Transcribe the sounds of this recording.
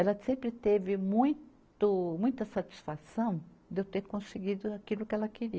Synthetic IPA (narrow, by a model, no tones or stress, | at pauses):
ɛlɐsẽmpɾɪt̪evɪmũj̃t̪ʊmũj̃t̪ɐsat͡ʃi̥sfasɐ̃w̃d̪ewt̪eɾkõsɪɡid̪ʊakilʊkɪɛlɐkeɾiɐ